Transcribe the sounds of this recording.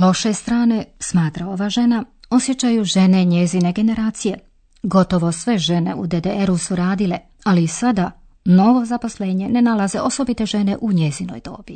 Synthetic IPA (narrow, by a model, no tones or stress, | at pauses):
lo̞ʃest̪ɾaːne̞smaːt̪ɾao̞ʋaʒe̞nao̞sje̞t͡ɕajuʒe̞ne̞ɲezine̞ɡe̞ne̞ɾaːt̪sije̞ | ɡo̞t̪o̞ʋo̞sʋe̞ʒe̞ne̞̰ṵd̪ed̪eeɾusuɾaːd̪ile̞ | alisad̪a | no̞ʋo̞zapo̞sle̞ːɲe̞ne̞nalaze̞ʔo̞so̞bit̪e̞ʒe̞ne̞ʔuɲe̞zino̞̰jd̪o̞ːb̥i